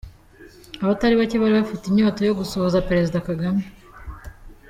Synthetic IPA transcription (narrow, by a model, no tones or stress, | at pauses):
aβataɾiβaceβaɾiβafitiɲo̞ːto̞jo̞ɡusoβozape̞ɾe̞zidakaɡame